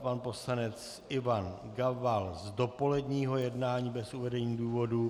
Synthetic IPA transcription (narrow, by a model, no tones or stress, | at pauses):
panpo̞slanɛt͡s | ɪvan | ɡavalzdo̞po̞lɛdɲiːɦo̞jɛdnaːɲiːbɛsʔuvɛdɛɲiːduːvo̞du